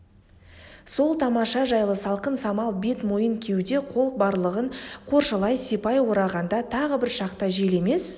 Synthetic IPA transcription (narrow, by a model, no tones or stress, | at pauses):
so̞lˠt̪ʰɑmɑʃɑʒɑjlˠəsɑlˠqənsɑmɑlˠbe̞t̪mo̞jəŋkʲʰe̞wd̪e̞qʰo̞lˠq̚bɑɾlˠəʁəɴqʰo̞ɾʃəlˠɑjsepɑjwo̞ɾɑʁɑnd̪ɑt̪ʰɑʁəbɪɾʃɑqt̪ɑʒe̞le̞me̞s